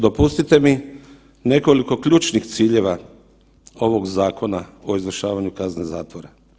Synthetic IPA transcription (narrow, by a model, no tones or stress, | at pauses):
d̪o̞pust̪it̪e̞mi | ne̞ko̞liko̞kʎuːt͡ʃnixt̪siːʎe̞ʋa | o̞ʋo̞ɡzaːko̞nao̞izʋr̩ʃaːʋaɲukazne̞zaːt̪ʋo̞ɾa